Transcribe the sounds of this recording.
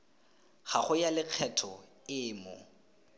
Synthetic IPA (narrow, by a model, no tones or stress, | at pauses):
χaχʊjalɪq͡χʰɛtʰɔ | ɪːmɔ̰